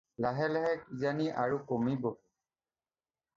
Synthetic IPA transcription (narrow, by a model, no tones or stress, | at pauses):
laɦɛlɛɦɛkizaniʔaɹukomibɔ